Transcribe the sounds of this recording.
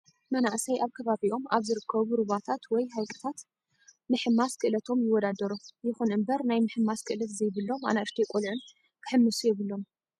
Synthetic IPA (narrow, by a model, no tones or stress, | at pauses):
mɐnaʔsajʔaβkʰɐβaβiʔo̞mʔaβzɨɾɨkʰːɐβuɾɨβat̪ʰat̪wɔjɦajkʼɨ̥t̪ʰat̪ | mɨħɨmaskʰɨʔlɐt̪ʰo̞mjɪwːɔd̪ad̪ɐɾujɪxunʔɨmbɐɾnajmɨħɨmːaskʰɨʔlɐt̪zɐjβɨlːo̞ma̰naʔɨʃt̪ʰikʼolʕɨn | kʰɨ̥ħɨmːɨsujɛβɨlːo̞m